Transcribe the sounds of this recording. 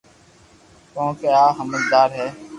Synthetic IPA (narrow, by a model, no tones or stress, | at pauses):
kõːkeaːɦəməld̪aːɾɦɛː